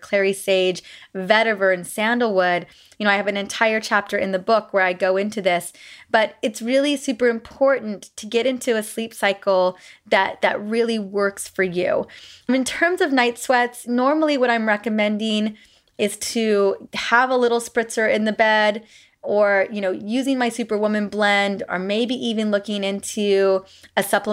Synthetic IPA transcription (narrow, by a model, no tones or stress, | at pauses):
kʰl̥ɛɹiseɪd͡ʒvɛɾɨvə˞ɨ̃nsæ̃ndl̩ˠwʊd̚ | jɨnoʊaɪɨvɨ̃nɨ̃ntʰaɪə˞t͡ʃʰæp̚tʰə˞ʔɨ̰̃nðɨbʊkwə˞aɪɡoʊɪ̃ntʉðɪsb̥ʌɾɨtsɹɪlˠisʉpə˞ɨ̃mpʰɔɹʔn̩tʰɨɡɛɾɪ̃ntʰʉɨslipsaɪkl̩ˠðɨt̪̚ðɨ̰t̚ɹɪlˠiwɜ˞ksfə˞jʉ̰ɨ̃ntʰɜ̃˞mzʌvnaɪtswɛtsnɔɹml̩ˠiwʌɾãɪ̃mɹɛkɨmɛ̃ndɪ̃ŋ | ɪz̥tʰɨəvəlɪɾl̩ˠspɹɪsə˞ɪ̃nðɨbɛɾ | ə˞jɨñoʊjʉzɪ̃ŋmaɪsʉpə˞wʊmɨ̃nblɛ̃ndə̰˞meɪbiʔivɨ̃nlʊkɪ̃ŋɪ̃ntʰʉ | ɨsʌplə